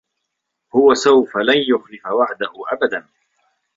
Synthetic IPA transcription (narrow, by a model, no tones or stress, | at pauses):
hʊwasawfalanjʊxlɪfawaʕd̪ahʊʔabad̪an